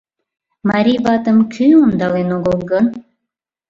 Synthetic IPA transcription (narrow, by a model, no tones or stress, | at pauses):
mɑɾʲijβɑt̪əmkʲʰyond̪ɑlenoɣəlˠɣən